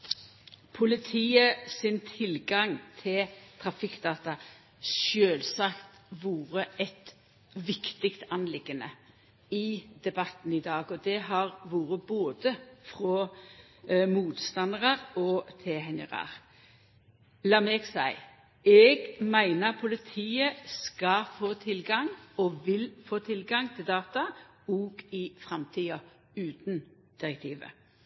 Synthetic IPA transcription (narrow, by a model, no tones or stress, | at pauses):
pʰʊlɪt̪ʰiːəsɪnt̪ʰɪlɡɑŋt̪ʰɪlt̪ʰʁɑfɪkːd̪̥ɑːt̪ɑ | ʃøːlsɑkt̪ʋuːʁəɛt̪ | ʋɪkt̪ɪkt̪ɑnlɪɡənə | ɪd̪ɛbɑt̪n̩ɪd̪ɑːɡɔd̪ɛɦɑʁʋuːʁəboːd̪əfʁɔ | muːt̪st̪ɑnəʁəʁɔt̪ʰɛɦɛnə̰ʁɑ̰ʁ | lɑːmɛɡsæɪ | ʔɛɡmæɪnəpʰʊlɪt̪ʰiːəskɑfoːt̪ʰɪlɡɑŋɔʋɪlfoːt̪ʰɪlɡɑŋt̪ʰɪld̪ɑːt̪ɑ | ɔɡ̥ɪfʁɑmt̪ʰiːɑ | ʉːt̪n | d̪̥ɪʁɛk̚t̪ʰiːʋə̰